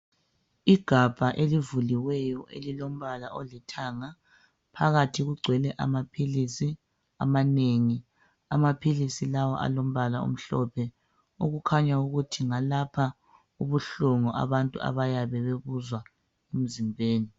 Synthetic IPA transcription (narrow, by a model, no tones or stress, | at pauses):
iɡ̥ʱab̥ʱaʔelivuliwɛjɔʔḛlilom̩βalaʔɔlitʰaŋa | pʰaɣatʰiɣuɡ͡ǀʱwɛlɛʔa̰mapʰilisi | a̰maneŋi | amapʰilisilawɔ̰ʔa̰lom̩βalaṵm̩ɬɔpʰɛ | uɣukʰaɲauɣutʰiŋalapʰa | uβuɬuŋuʔa̰βantʼṵa̰βajaβɛβeβuzwa | em̩zimbʱeːni